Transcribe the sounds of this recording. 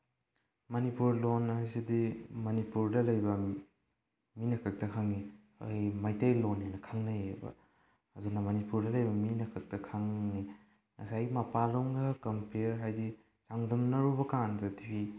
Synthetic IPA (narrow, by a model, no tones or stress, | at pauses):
mɐnipuɾlonajsidimɐnipuɾdɐlɐjbɐ | minɐkʰɐk̚tɐkʰaŋːi | o̰jmajtejlonːenɐkʰaŋnɐjebɐ̰ː | dunɐmɐnipuɾdɐlɐjbɐminɐkʰɐk̚tɐkʰaŋni | ŋɐsajɡimɐpaloŋɡɐkɐmpʰeɾɦajdi | t͡ʃaŋdɐmnɐɾubɐkandɐtipʰi